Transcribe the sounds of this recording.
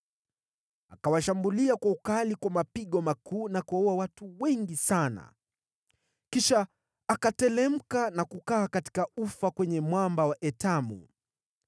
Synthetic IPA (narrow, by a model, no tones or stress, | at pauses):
akawaʃambuliakwaukalikwamapiɠɔmakʰuːnakuɔɔawatuwɛŋɡisana̰ | kiʃaː | katɛlɛm̩kanakukaːkati̥kaufakwɛɲɛmwambawaʔɛtamṵ